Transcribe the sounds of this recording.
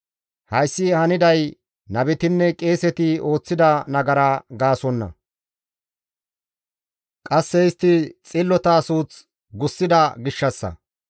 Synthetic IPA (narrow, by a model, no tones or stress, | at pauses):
hɐjsːɪhɐnɪd̪ɐj | nɐbɛt̪ɪnːɛkʼe̞ːsɛt̪ɪo̞ːt͡sːɪd̪ɐnɐɡɐɾaːɡaːsɔnːɐ̰ | kʼɐsːɛɪst̪ːɪt͡sʼɪlːɔt̪ɐːsuːt͡s | ɡʊsːɪd̪ɐɡɪʃːɐsːɐ̰